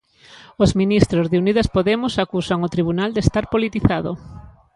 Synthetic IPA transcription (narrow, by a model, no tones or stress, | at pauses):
ozminist̪ɾozðeunið̞aspoðemʊsakusaŋot̪ɾiβ̞unald̪est̪aɾpolit̪iθað̞o̰